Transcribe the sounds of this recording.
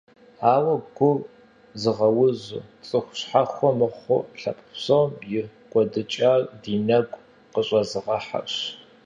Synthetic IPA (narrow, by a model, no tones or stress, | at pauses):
aːwɐɡʷʊr | zɨʁɐwʊzɨ̰t͡sʼɨxʷʊɕħaχʷɔmɨχʷʊ̰ɬɐ̰pʼə̥psɐwmjɪkʷʼɔdɨt͡ʃʼaːrdiːnɐɡʷʼ | qəɕʼɐzɨʁɐħa̰ɕ